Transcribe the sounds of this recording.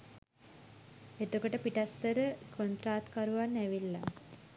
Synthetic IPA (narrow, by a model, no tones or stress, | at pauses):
et̪okəʈəpiʈast̪əɾəkʰont̪ɾaːt̪kaɾuʋanːæʋilːa̰